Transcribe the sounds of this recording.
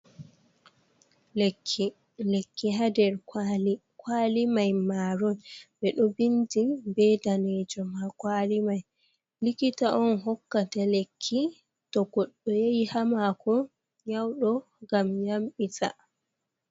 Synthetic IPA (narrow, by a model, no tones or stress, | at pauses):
lekʰːi | lekːiɦadɛɾ | kʰwaːlimajmaːɾɔnbɛɗɔbindibɛdaned͡ʒɔmakwalimaj | likitaʔɔnɦɔkːatalekʰːi | tɔɡɔɗːɔjejihamakʰɔ | ɲawɗɔ | ɡamjamɓitʰa̰